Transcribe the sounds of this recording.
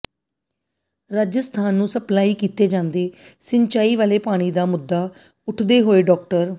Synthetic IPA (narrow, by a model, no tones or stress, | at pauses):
ɾaːd͡ʒəst̪ʰaːnːũːsəplaːiːkiːt̪eːd͡ʒãːnd̪eːsɪnt͡ʃaːiːʋaːleːpaːɽ̃iːd̪aːmʊd̪ːaː | ʊʈʰd̪eːɦoːeːɖɔːk̚ʈəɾ